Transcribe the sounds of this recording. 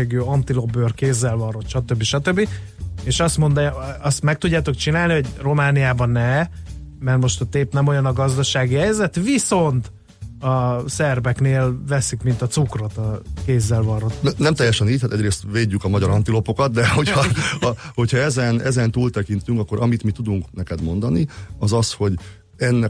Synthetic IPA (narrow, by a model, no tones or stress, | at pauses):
eːɡøːɒnt̪ilo̞børkeːzːɛlvɒro̞t̪ʃɒt̪øbːiʃɒt̪øbːi | eːʃɒst̪mo̞nd̪ɒst̪mɛk̚t̪uɟːaːt̪o̞kt͡ʃinaːlniɦo̞ɟro̞maːnijaːbɒnːɛ | mɛrmo̞ʃt̪ɒt̪eːpnɛmo̞jɒnɒɡɒzd̪ɒʃaːɡiɛjzɛt̪ʋiso̞nt̪ | ɒsɛrbɛkneːlvɛsikmint̪ɒt̪sukro̞t̪ɒkeːzːɛlvɒɾot̪nɛmt̪ɛjːɛʃɛniːc̚hat̪ɛɟreːst̪veːɟːykɒmɒɟɒɾɒnt̪ilo̞po̞kɒt̪̚d̪ɛho̞cɒ | ho̞cʰhɒɛzɛnɛzɛnt̪uːlt̪ɛkint̪yŋkɒkːo̞ɾʔɒmit̪mit̪ud̪uŋknɛkɛd̪mo̞nd̪ɒniɒzɒsho̞ɟ | ɛnːɛ